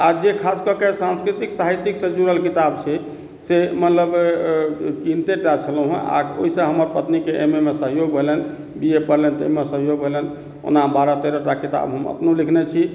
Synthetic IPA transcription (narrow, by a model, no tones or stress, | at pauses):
ad͡ʒekʰaskəkesãnskɾit̪iksaɦit̪iksəd͡ʒuɾəlkit̪abt͡ʃʰɛ | semət̪ləb | kint̪eʈat͡ʃʰələɦɛ̃a̰o̰ɦisə̃ɦəməɾpət̪nikeʔememesəɦjoɡbʱelɛn | biepəɾlɛnt̪ə̰ɦimesəɦjoɡbʱelɛn | o̰nabaɾat̪eɾəʈakit̪a̰bɦəmə̰pnolikʰnɛt͡ʃʰi